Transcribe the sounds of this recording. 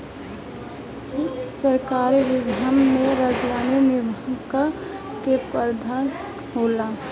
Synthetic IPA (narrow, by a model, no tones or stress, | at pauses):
səɾkaːɾiʋiɡʱamːeɾad͡ʒlaninɪbəkə | kepəɾd̪ʱa | ɦola